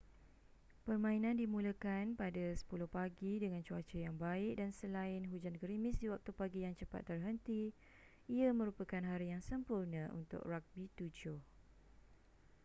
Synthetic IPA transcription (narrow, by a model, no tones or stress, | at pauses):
pərmãinãndimũləkanpadasə̥pulʊhpaɡidəŋant͡ʃuat͡ʃəjaŋbaɪʔ̚dansəlaɪnɦud͡ʒankəɾimɪsdiwak̚t̪upaɡijaŋt͡ʃəpa̰t̪ːərɦənt̪i | iamə̃ɾupəkanɦaɾijaŋsəmpurnə̃ʔṵnt̪ʊ̰k̚rak̚bit̪ud͡ʒʊh